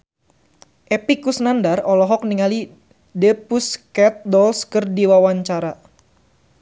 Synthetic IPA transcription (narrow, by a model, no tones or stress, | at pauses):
ʔepikusnandarɔlɔɦɔk̚niŋali | depuskɛt̪̚dɔlskərdiwawaɲt͡ʃaɾa